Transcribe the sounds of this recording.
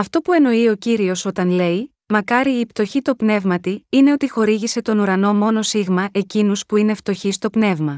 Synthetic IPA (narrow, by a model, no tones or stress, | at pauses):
ɐft̪o̞pue̞no̞io̞ciɾio̞so̞t̪ɐnle̞j | mɐkɐɾiːpt̪o̞çit̪opne̞vmɐt̪iine̞o̞t̪ixo̞ɾiʝise̞t̪o̞nuɾɐno̞mo̞no̞siɣmɐʔe̞cinuspuine̞ft̪o̞çist̪o̞pne̞vmɐ